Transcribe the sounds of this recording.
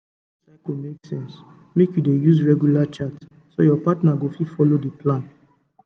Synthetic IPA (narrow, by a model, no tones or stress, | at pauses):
saɪkomeksɛ̃ns | mekjudejuzɹɛɡjulat͡ʃat | so̰jɔpatnaɡofifɔlodeplãn